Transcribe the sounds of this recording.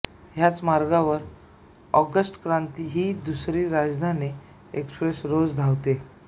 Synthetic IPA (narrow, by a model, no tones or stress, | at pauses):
ɦjat͡smaɾɡaʋəɾ | ɔ̰ɡəsʈkɾant̪iɦiːd̪usɾiːɾad͡zd̪ʱani | ekspɾesɾod͡zd̪ʱaʋt̪e